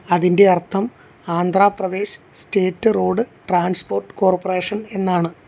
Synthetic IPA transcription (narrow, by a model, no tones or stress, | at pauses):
ɐðinde̞ɐrt̪ʰːɐm | aːnd̪ʱraːprɐd̪e̞ːɕɨ̥steːtːɨroːɽɨʈraːnspo̞ːrʈːɨ̥koːrpːɐre̞ːʂɐne̞nːaːɳɨ